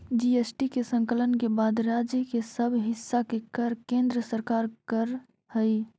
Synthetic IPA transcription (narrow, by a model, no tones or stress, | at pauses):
d͡ʒiesʈikesə̃ŋkələnkebaːd̪ɾaːd͡ʒjəkesəbʱɦɪsːakekəɾkẽːnd̪ɾəsəɾkaːɾkəɾ | həi